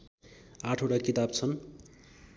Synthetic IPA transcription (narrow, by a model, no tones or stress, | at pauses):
ãʈʰoʈakit̪abt͡sʰʌn